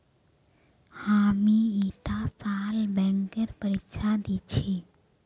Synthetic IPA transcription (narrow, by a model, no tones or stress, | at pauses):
hamiit̪asalbɛ̃ŋkəɾpəɾikʃʰad̪it͡ɕʰe